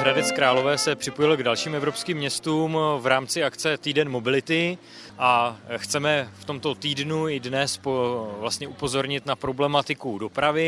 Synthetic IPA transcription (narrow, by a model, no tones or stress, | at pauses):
ɦɾadɛt͡skɾaːlo̞vɛːsɛpr̝̥ɪpojɪlɡdalʃiːmɛvɾopskiːmːɲɛst̪uːmvɾaːmt͡sɪakt͡sɛt̪iːdɛnmo̞bɪlɪt̪ɪ | ʔaxt͡sɛmɛft̪o̞mt̪o̞t̪iːdnuɪdnɛspovlast̪ɲɛʔupo̞zo̞ɾɲɪt̪napɾo̞blɛmat̪ɪkudo̞pɾavɪ